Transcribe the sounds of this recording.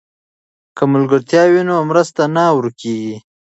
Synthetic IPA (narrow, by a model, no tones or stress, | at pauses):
kəmʊlɡəɾt̪jɑwinomɾəst̪anawɾkeɡi